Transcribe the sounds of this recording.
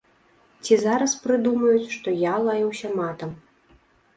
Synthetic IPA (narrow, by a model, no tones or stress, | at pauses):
t͡sʲizaɾɐspɾɨd̪umɐjut͡sʲʂt̪ɔjalˠajɛwsʲɐmat̪ɐm